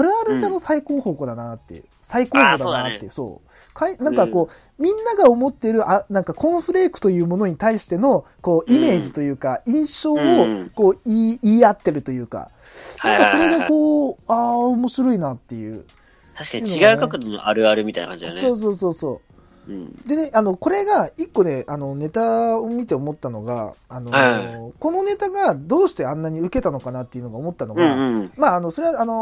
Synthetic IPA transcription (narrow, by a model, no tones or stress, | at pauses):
aɾɯ̟aɾɯd̪ano̞saiko̞ːho̞ːkod̪anat̪ːḛɯ̰ | saikoːɦoːd̪anat̪ːeɯ̟so̰ː | kʰainãŋkako̞ː | mʲĩnːaɡao̞mo̞t̪ːe̞ɾɯ̟ʔanãŋkakʰõ̞ɰ̃ɸɯ̟ɾe̞ːkɯ̟̥t̪o̞jɯ̟ːmo̞no̞ɲ̟it̪aiɕi̥t̪e̞no̞ | ko̞ːʔime̞ːʑit̪o̞jɯ̟ːkaĩɰ̃ɕoːoko̞ːiiːat̪ːe̞ɾɯ̟t̪o̞jɯ̟ːka̰ | nãŋkaso̞ɾe̞ɡako̞ːaːomo̞ɕiɾo̞inat̪ːe̞jɯ̟̰ː | t̪aɕi̥kaɲiniɡaɯkakɯd̪ono̰ʔaɾɯ̟aɾɯ̟mʲit̪a̰jnakã̰ɲd͡ʑd̪ḛso̞ːs̬o̞ːso̞ːso̞̰ː | d̪e̞ne̞ʔano̞ko̞ɾe̞ɡaikːo̞ne̞ʔano̞ne̞t̪aomʲit̪e̞omo̞t̪ːano̞̰ɡa̰ːno̞ko̞no̞ne̞t̪aɡad̪o̞ːɕi̥t̪e̞ãnːaɲ̟iɯ̟ke̞t̪ano̞kanat̪ːeiɯ̟no̞ɡaomo̞t̪ːanoɡãmaːno̞so̞ɾe̞βaano̞